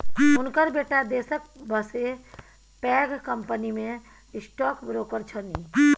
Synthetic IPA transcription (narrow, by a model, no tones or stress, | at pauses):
ʊnkəɾbeːʈad̪eːsək̚bəse | pɛːɡkəmpənimẽ | ɪsʈɔːkbɾoːkəɾt͡ʃʰəni